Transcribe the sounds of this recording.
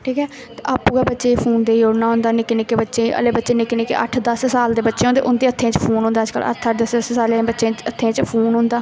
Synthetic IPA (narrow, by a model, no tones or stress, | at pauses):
ʈʰiːkɦɛː | t̪eʔaːpuːɡaːbətːʃeːpʰuːnd̪eːjoːɽnaːɦʊ̃nd̪aːnɪkːɪnɪkebətːʃẽːə̰leːbətːʃeːnɪkɪneːkḛʔə̰ʈʰd̪əssaːld̪eːbətːʃeːõnd̪eːʔʊnd̪eːət̪ʰːẽːt͡ʃpʰuːnɦʊ̃ːnd̪aːd͡ʒkə̰lʔə̰ɾt̪ʰəʈʰd̪əsəssaːlẽbətːʃẽːət̪ʰːeẽːt͡ʃpʰuːnɦʊ̃nd̪aː